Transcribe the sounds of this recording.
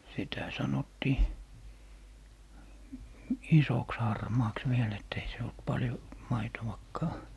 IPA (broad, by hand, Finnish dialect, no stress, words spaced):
sitæ sɑnotːiː isoks hɑrmɑːks ʋiel etː ei se olt pɑljo mɑitowɑkːɑː